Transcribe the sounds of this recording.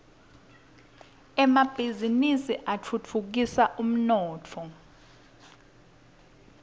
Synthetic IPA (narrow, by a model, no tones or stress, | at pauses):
ɛmab̥ʱizinisiʔat͡fʰut͡fʰuk̬isaʔum̩nɔːt͡fʰɔ